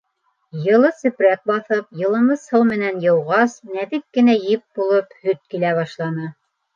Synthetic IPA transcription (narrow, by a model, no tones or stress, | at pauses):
jɤ̆lˠɤsɵ̆pɾæk̚bɑθɤp̚jɤ̆lˠɤ̆mɤshɤw̪mɘ̆nænjɤ̆wʁɑsnæðɘkːɘ̆næjɘp̚bulˠɤphɵt̪̚kilæβɑʃlˠɑnɤ